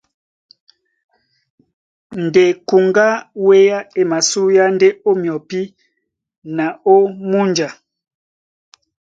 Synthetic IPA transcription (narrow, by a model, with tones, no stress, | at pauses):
n˨de˨ku˨ŋɡa˦we˦ja˦e˨ma˨su˦ja˦nde˦o˦mjɔ˨pi˦ | na˨o˦mu˦nd͡ʒa˨